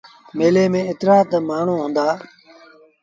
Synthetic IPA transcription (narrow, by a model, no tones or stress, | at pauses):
meːleːmẽːɪt̪ɾaːt̪əmaːɳ̤ũːɦʊ̃ːnd̪aː